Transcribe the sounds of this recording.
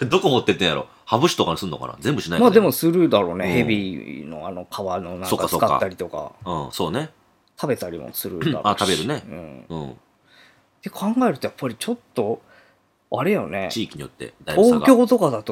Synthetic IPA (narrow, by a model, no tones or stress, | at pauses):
d̪okomot̪ːet̪ːẽjaɾo | habɯ̟ɕi̥t̪okaɲisɨnːokana̰zẽmbɯɕinaijmaːdd̪e̞mo̞sɨɾɯ̟d̪aɾo̞ːnehe̞bʲino̞̰ano̞kʰaβano̞nãŋsokaːasɨkata̰ːaɾʲit̪o̞ka̰ɯ̃ːso̞ːne | t̪ʰabe̞t̪aɾʲḭmo̰sɨɾɯ̰d̪a̰ɾoat̪abe̞ɾɯ̟neɯ̰̃ːɴɯ̰̃ː | d̪̥e̞kʰãŋɡae̞ɾɯ̟t̪ojapːaɾʲit͡ɕo̞t̪ːo̞ | aɾejone̞̰t͡ɕiːkʲiɲ̟ijo̰t̪ːḛd̪aioːɡkʲo̞ːt̪o̞kad̪at̪o